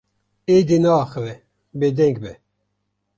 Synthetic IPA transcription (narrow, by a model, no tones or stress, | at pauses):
ed̪enɑːxəvɛ | bed̪ɛŋɡbɛ